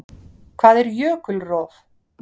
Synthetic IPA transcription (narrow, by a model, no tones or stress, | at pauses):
kʰvaːðɛɾjœːkʏlrɔːð